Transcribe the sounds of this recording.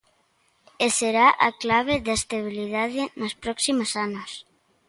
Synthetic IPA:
eseɾaʔa̰klaβ̞eðest̪aβ̞iliðaðɪnospɾɔksimosanos

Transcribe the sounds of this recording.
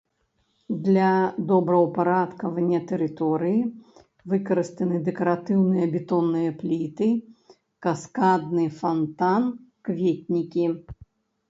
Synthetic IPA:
d̪lʲɐd̪ɔbɾɐwpaɾat̪kɐvɐnʲːɐt̪ɛɾɨt̪ɔɾɨji | vɨkɐɾɨst̪ɐnɨd̪ɛkɐɾat̪ɨwnɨjɐbʲɛt̪ɔnːɨjɐplʲit̪ɨ | kaskad̪nɨfant̪ankvʲet̪̚ʲnʲikʲi

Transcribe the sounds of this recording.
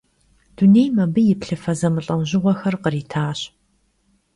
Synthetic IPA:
d̥uneːjmɐbɨjɪpɬɨfɐzɐmɨɬʼɐmʑɪʁʷɔxɐrqəriːtʰaːɕ

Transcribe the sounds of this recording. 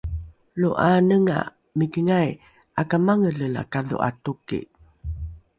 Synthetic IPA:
luʔanəŋa̰ | mikəŋaj | akamaŋələla̰kaðṵʔa̰tukḭʔ

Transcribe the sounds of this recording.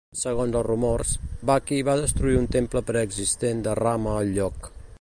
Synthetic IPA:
səɣonzəlˠzrumɔrsbakiβaðəst̪ɾuiunt̪empləpɾəːɡzist̪end̪əraməːlʎɔk

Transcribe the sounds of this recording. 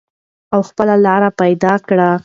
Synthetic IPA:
awxpəlalɑɾapajd̪ɑkɽa

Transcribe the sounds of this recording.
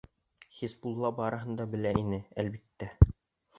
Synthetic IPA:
χisbulˠːɑbɑɾɤ̆ɦɤ̆nd̪ɑbɘ̆læʔinɘælbit̪ːæ

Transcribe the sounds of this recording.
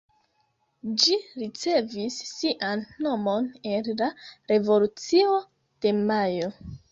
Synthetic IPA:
d͡ʒiɾit͡se̞visːiʔanːo̞mo̞ne̞nlaɾe̞vo̞lut͡sio̞ | d̥e̞majo̞

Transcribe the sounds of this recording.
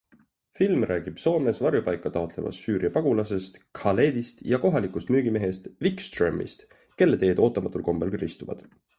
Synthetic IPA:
filmrʔæːɡ̥ib̥so̞ːme̞svɑrjupɑjkːˑɑt̪ɑot̪le̞mʔɑ̰sːyːɾiɑpɑɡ̥ulɑse̞st̪kʰɑle̞ːd̪ist̪jɑko̞ɦɑlikust̪myːɡ̥ime̞ɦe̞st̪vikst̪remːḭst̪ | ke̞lːe̞t̪e̞ːd̪o̞ːt̪ˑːɑmɑt̪ːˑulko̞mb̥elrist̪uvɑ̰d̪̥

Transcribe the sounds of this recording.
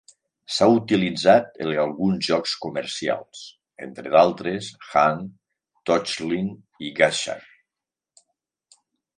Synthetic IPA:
saut̪ilid͡zat̪ḛlalˠɣunzʒɔkskuməɾsia̰lˠs | ḛnt̪ɾeðalˠt̪ɾesxaŋ | t̪ɔt͡ʃlin | iɣaʃa̰n

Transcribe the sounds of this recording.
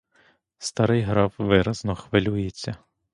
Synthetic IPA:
st̪ɑɾɪjɦɾɑwʋɪɾɐznɔxʋɪlʲujet͡sʲːɐ

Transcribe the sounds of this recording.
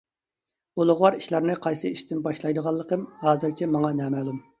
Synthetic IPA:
olˠʊʁwɑɾiʃlˠɑɾnɨqʰɑjsɨiʃt̪ɪnbɑʃlˠɑjd̪əʁɑlˠːəqəmhɑːzɨɾt͡ʃʰɛmɑŋɑnɛːmæːlˠum

